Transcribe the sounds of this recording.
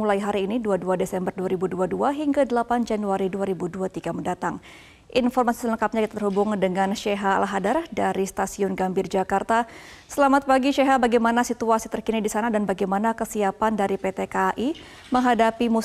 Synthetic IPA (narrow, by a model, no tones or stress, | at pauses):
ulajɦaɾiːniduaduadesɛmbərduaɾibuduaduaɦiŋɡadəlapand͡ʒanuaɾiduaɾibuduat̪iɡaməndat̪aŋ | ʔinfɔrmasi̥sələŋkap̚ɲakit̪at̪ərhubʊŋdəŋanʃɛɦa̰ːlaɦadardaɾist̪asiʊnɡambɪrd͡ʒakart̪a | səlamat̪̚paɡiʃeɦabaɡajmanasit̪uasit̪ərkinidisanadanbaɡajmanakəsiapandaɾipet̪ekaʔi | məŋɦadapimu